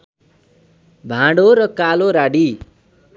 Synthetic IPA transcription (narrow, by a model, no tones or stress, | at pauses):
bʱãɽoɾʌkaloɾaɽi